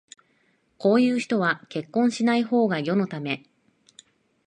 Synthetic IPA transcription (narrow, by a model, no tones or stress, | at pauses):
ko̞ːjɯ̟ːçi̥t̪o̞βake̞kːõ̞ɰ̃ɕinaiho̞ːɡajo̞no̞t̪ame̞